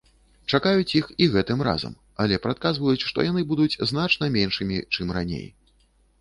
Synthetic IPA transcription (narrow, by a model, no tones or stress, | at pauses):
t͡ʂakajut͡sʲjixiɣɛt̪ɨmra̰zɐ̰m | alʲɛpɾat̪̚kazvɐjut͡sʲʂt̪ɔ̰janɨbud̪ut͡sʲznat͡ʂnɐmʲenʂɨmʲit͡ʂɨmranʲḛj